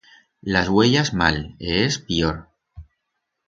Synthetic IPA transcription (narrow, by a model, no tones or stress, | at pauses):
lazɣweʎazma̰leespioɾ